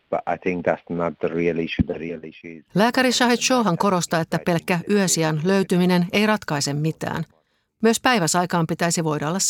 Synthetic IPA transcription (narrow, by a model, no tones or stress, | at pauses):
b̥ʌ̰ʔa̰ɪθɪ̃ŋk̚ða̰tsnət̪̚ðəɹiːəlɪʃʉðəɹilɪʃu̥læːkæɾiʃɑɦit̪ʃo̞wɦɑŋko̞ɾo̞st̪ɑe̞t̪ːæpe̞lkːæʔyøsiænløɥt̪ymine̞ne̞jrɑt̪kɑise̞mːit̪æ̰ːn | myøspæjʋæsɑjkɑːmpit̪æisiʋo̞jdɑolːɑs